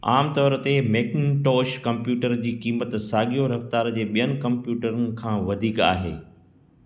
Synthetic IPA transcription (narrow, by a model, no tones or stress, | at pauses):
a̰ːmt̪ɔːɾət̪emeːkɪnʈɔːʃkɐ̃mpjuːʈəɾd͡ʑiːkiːmət̪saːɠijoɾɐft̪aːɾd͡ʑeːɓijənɪ̆kɐ̃mpjuːʈəɾənɪ̆kʰãːʋɐd̪ʱiːka̰ːɦḛː